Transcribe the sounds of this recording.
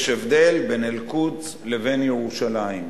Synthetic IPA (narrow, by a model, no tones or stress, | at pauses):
ʃevd̪e̞lbenelkut͡s | leve̞njeʁuʃalaim